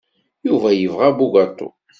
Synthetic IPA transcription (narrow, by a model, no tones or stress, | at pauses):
juvæjəvʁabuɡɑt̪ˤːo̰